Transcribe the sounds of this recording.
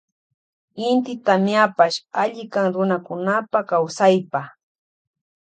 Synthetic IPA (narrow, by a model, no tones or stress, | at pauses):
ɪnt̪ɪt̪amjapaʃaʎɪkaŋɾʊnakʊnapakawsajpa